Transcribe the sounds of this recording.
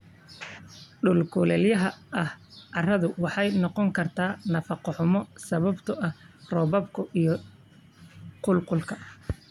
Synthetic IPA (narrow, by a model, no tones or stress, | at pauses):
ɖʊlkʰʊlɛljɐɦɐʔɐhɐrɐðʊwɑħɑjnɔqɔŋkʰɐrt̪ʰaːnɐfɑqɔħʊmɔsɐβɐbt̪ʰʊʔɐh | rɔːβɐbkʰʊʔijɔ | qʊlqʊlkʰɐ